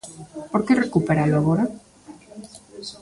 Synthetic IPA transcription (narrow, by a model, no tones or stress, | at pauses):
poɾkerekupeɾaloaɣoɾa